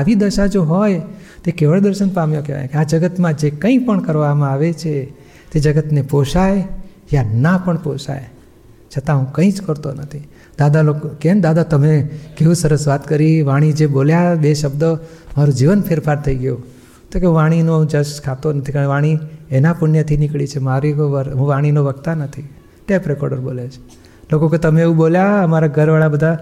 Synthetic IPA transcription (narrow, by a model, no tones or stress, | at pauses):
aʋid̪əʃad͡ʒoɦɔj | t̪ekeʋəɭd̪əɾʃənpamjõkeʋa̰j̰̃kead͡ʒəɡət̪mãd͡ʒekə̃ĩpəɳkəɾʋamãaʋet͡ʃʰe | t̪ed͡ʒəɡət̪nepoʃaje | janapəɳpoʃa̰e | t͡ʃʰət̪ãɦũkə̃ĩd͡ʒkəɾt̪onət̪ʰi | d̪ad̪alokkend̪ad̪at̪əmekeʋũsəɾəsʋat̪kəɾiʋaɽ̃id͡ʒeboljabeʃəbd̪əmaɾũd͡ʒiʋənpʰɪɾfaɾt̪ʰəiɡəjũ | t̪okeũʋaɽ̃inod͡ʒəʃkʰat̪onət̪ʰikaʋaɽ̃ienapʊɳnjət̪ʰinɪkɭit͡ʃʰemaɾikʋəɾɦũʋaɽ̃inoʋəkt̪anət̪ʰi | ʈepɾekɔ̰ɖəɾbolet͡ʃʰe̥ | lokoket̪əmeeʋũɓoljaəmaɾaɡʱəɾʋaɭabəd̪ʱa